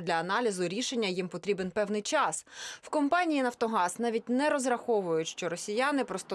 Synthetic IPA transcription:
d̪ʲlʲɐːnɑlʲizʊɾʲiʃe̞nʲːɐjimpɔt̪ɾʲibenpɛwnɪjt͡ʃɑswkɔmpɑnʲijinɐwt̪ɔɦɑsnɑʋʲit̚ʲnɛɾɔzrɐxɔʋʊjʊtʲʃt͡ʃɔɾɔsʲijanɪpɾɔst̪ɔ

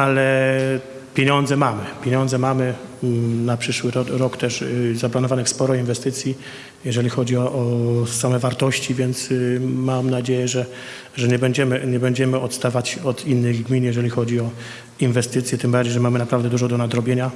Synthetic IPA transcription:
alɛ | pʲjeɲɔnd̪zɛmamɘpʲjeɲɔnd̪zɛmamɘ | napʂɘʂwɘɾɔkt̪ɛʂzaplanɔvanɘxspɔɾɔinvɛst̪ɘt̪sʲji | jɛʐɛlʲixɔd͡ʑiɔʔɔsamɛvaɾt̪ɔɕt͡ɕivʲjɛnt̪smamnad͡ʑejɛʐɛ | ʐɛɲɛbɛɲd͡ʑɛmɘɲɛbɛɲd͡ʑɛmɘɔt̪st̪avat͡ɕɔt̪inːɘɣɡmʲinjɛʐɛlʲixɔd͡ʑiɔ | invɛst̪ɘt̪sjɛt̪ɘmbaɾd͡ʑejʐɛmamɘnapɾavd̪ɛd̪uʐɔd̪ɔnad̪ɾɔbʲjeɲa

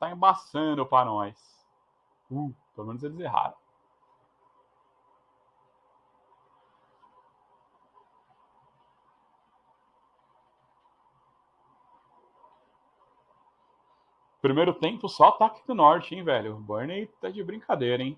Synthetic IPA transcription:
t̪aẽbasɐ̃d̪ʊpɾɐnɔjs | upelomẽnʊzelɪzeɦa̰ɾɐ̰̃w | pɾimejɾʊt̪ẽmpʊsɔt̪aːkid̪ʊnɔɾt͡ʃɪẽj̃vɛʎʊbɐɾnejt̪ɛd͡ʒɪbɾĩkʰad̪ejɾɐẽj̃

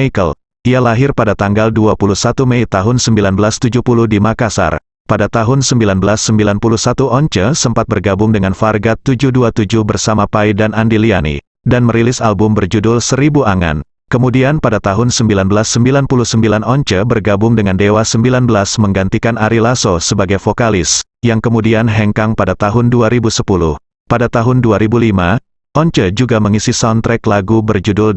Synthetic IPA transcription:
ikəl | ialaɦɪrpadat̪aŋɡalduapuluhsat̪umejt̪aɦʊnsəmbilanbəlast̪ud͡ʒupuludimakasa̰r | padat̪aɦʊnsəmbilanbəlasːəmbilanpuluhsat̪uʔɔɲt͡ʃəsəmpat̪̚bərɡabʊŋdəŋanfarɡat̪ːud͡ʒuhduat̪ud͡ʒʊhbərsamapaidanandilianḭ | danməɾilɪsalbʊmbərd͡ʒudʊlsəɾibuaŋa̰n | kəmudianpadat̪aɦʊnsəmbilanbəlasːəmbilanpulʊhsəmbilanɔɲt͡ʃəbərɡabʊŋdəŋandewasəmbilanbəlasməŋɡant̪ikanaɾilasosəbaɡajfokalɪs | jaŋkəmudianɦɛŋkaŋpadat̪aɦʊnduaɾibusəpulʊh | padat̪aɦʊnduaɾibulima | ʔɔɲt͡ʃəd͡ʒuɡaməŋisisant̪ɾɛklaɡubərd͡ʒudʊl

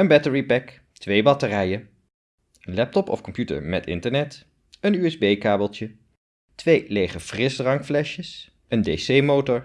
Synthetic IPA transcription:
ənbɛtəɹipɛk | tʋejbɑtərɛjən | ənlɛp̚tɔpɔ̰fkɔmpjutə̰ɹmɛtɪ̰ntəɹnɛt | ənyɛzbejkaːbəlˠtjə | tʋejlejχəfrɪsdrɑŋkflɛʃjəs | əndejsejmowtɔɹ

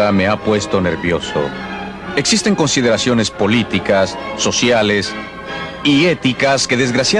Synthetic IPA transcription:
ame̞apwe̞st̪o̞ne̞̰ɾβjo̞so̰ | e̞ksist̪e̞ŋko̞nsið̞eɾasjo̞ne̞spo̞lit̪ikasːo̞sjale̞s | ie̞t̪ikaske̞ðe̞zɣɾasja

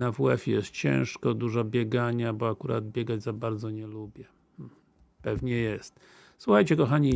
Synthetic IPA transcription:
avwɛfjɛ̰st̪̚t͡ɕɛ̰̃ʂkɔd̪uʐabʲjɛɡaɲabɔakuɾa̰d̪̚bʲjɛɡad͡ʑzabaɾd̪zɔɲɛlubʲjɛ | m̩ | pɛvɲɛjɛst̪ | suxajt͡ɕɛkɔxaɲi

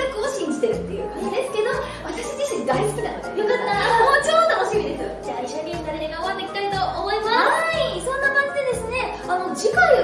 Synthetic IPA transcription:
akɯoɕĩɲ̟d͡ʑi̥t̪e̞ɾɯ̟t̪ːe̞jɯ̟ːkaid̪esɨ̥ke̞d̪o̞ | βat̪aɕid͡ʑiɕĩŋd̪aisɨ̥kɯd̪anojokat̪ːamot͡ɕot̪ːoɦoɕiɡoid̪e̞sɨd̪eaiɕomʲĩinaɾeɾeɡaoβat̪ːeikʲi̥t̪ait̪o̞ʔːmo̞imasisõ̞nːakãɲ̟d͡ʑid̪e̞d̪e̞sɨne̞ | ano̞d͡ʑikaɾɯ̟

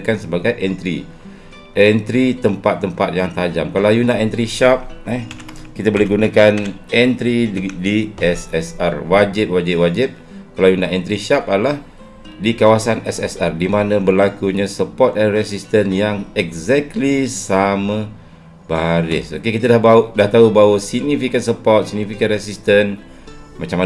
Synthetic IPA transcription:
kansəbaɡajʔɛnt̪ɾḭ | ʔɛnt̪ɾit̪əmpat̪ːəmpat̪̚jaŋt̪ad͡ʒamkalawjunaʔɛnt̪ɾiʃap̚ɛkit̪abolɛhɡunakanɛnt̪ɾidiɛsɛsarwad͡ʒɪp̚wad͡ʒɪp̚wad͡ʒɪp̚ | kalawjunaʔɛnt̪ɾiʃapalah | dikawasanɛsɛsardimanə̃bərlakuɲãsəpɔt̪̚ɛnrɛsist̪ənjaŋɛk̚zɛk̚lisamã | baɾɪsokekit̪adahbadaht̪aubawəsiɡ̚nifikənsəpɔrt̪̚siɡ̚nifikənrɛsist̪ən | mat͡ʃama

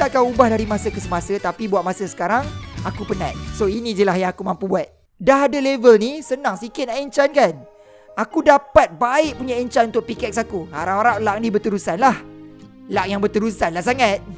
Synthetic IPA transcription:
t̪aʔ̚kaubahdaɾimasəkəsəmasat̪apibuat̪̚masəsə̥kaɾaŋakupənat̪̚soinĩd͡ʒəlaɦjaakumãmpubuat̪̚ | daɦadalevəlnisənãŋsikɪt̪̚naiɲt͡ʃankan | akudapat̪̚baɪʔ̚puɲaiɲt͡ʃanunt̪ʊʔ̚pikɛk̚sakuha̰ɾaʔaɾaʔ̚laʔ̚nibərt̪əɾusanlah | laʔ̚jaŋbərt̪əɾusanlahs̬aŋat̪̚

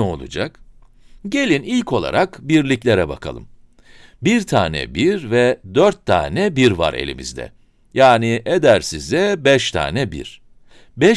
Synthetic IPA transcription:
o̞lˠud͡ʒak | ɟe̞lʲinilʲcʰo̞lˠa̰ɾʔakbiɾlʲiclʲeɾɛbakʰalˠɯ̰m | biɾt̪ʰaːnɛ̰biɾvɛd̪øɾt̪ʰːa̰ːnɛbiɾva̰ɾe̞̰lʲḭmḭzd̪ɛ̰ | jaːniʔed̪æɾsizd̪ɛbɛʃt̪ʰa̰ːnɛbḭɾ̥ | bɛ

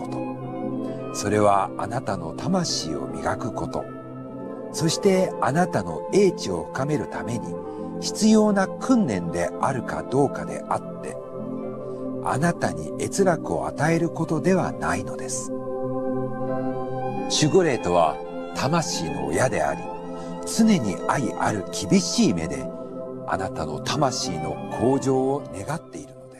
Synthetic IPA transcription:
ot̪o | so̞ɾe̞β̞aa̰nat̪ano̞t̪ʰamaɕḭːo̰mʲḭɡakɯ̟ko̞t̪o̞̰ | so̞ɕi̥t̪e̞anat̪ano̞̰e̞ːt͡ɕio̞ɸɯ̟̥kame̞ɾɯ̟t̪ame̞ɲ̟i | çi̥t͡sɨjo̞ːnakʰɯ̟̃nːẽ̞nd̪e̞aɾɯ̟ka̰d̪o̞ːkad̪e̞̰ʔat̪ːe̞̰ | a̰nat̪aɲ̟ḭe̞t͡sɨɾakɯ̟o̞̰at̪ae̞ɾɯ̟ko̞t̪o̞d̪e̞βa̰naino̞d̪e̞sɨ̥ | ɕɨɡɯɾe̞ːt̪o̞βa̰ | t̪ʰamaɕiːno̞̰jad̪e̞a̰ɾʲi | t͡sɨne̞ɲ̟iaiʔa̰ɾɯ̟kʲʰibʲiɕiːme̞̰d̪e̞a̰nat̪ano̞t̪amaɕiːno̞kʰo̞ːd͡ʑo̞ːne̞ɡat̪ːe̞iɾɯ̟no̞d̪̥es

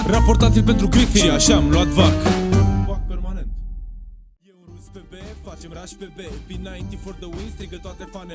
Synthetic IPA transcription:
rapo̞ɾt̪at̪sʲilpent̪ɾukɾit̪iɾiaʃamluat̪vakuvak̚pe̞rmane̞nt̪ | jewɾuspebefat͡ʃe̞mraʃpe̞bepinajnt̪iford̪əuinst̪ɾiɡət̪oat̪efane

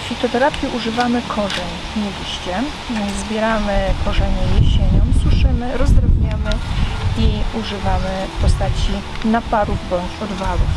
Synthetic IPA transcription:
fʲit̪ɔt̪ɛɾapʲjɛʔuʐɘvamɘkʰɔʐɛɲ | mɛlʲiɕt͡ɕɛ | zbʲjɛɾamɘkɔʐɛɲɛjɛɕeɲɔmswuʂɘmɘɾɔzd̪ɾɛbɲamɘiuʐɘvamɘ | pɔst̪at͡ɕi | napaɾuvbɔɲt͡ɕɔd̪valuf

